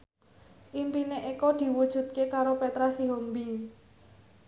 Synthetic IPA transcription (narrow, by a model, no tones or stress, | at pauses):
ʔimpineʔikɔd̪̥i̤wud̥ʒ̥ṳt̪̚kekaɾopet̪ɾasiɦombi